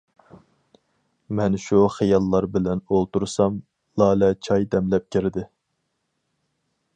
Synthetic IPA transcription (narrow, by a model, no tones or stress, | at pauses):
mɛnʃuχejɑlˠːɑɾbɪlɛnolˠt̪uɾsɑm | lˠɑːlɛt͡ʃʰɑjd̪ɛmlɛp̚kʲʰeɾɪd̪ɪ